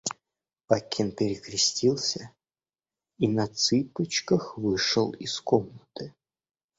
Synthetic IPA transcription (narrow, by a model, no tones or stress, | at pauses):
pakʲinpʲɪɾʲɪkɾʲɪsʲtʲilˠsʲə | inɐt̪sɨpət͡ɕkəxvɨʂəlˠiskomnət̪ɨ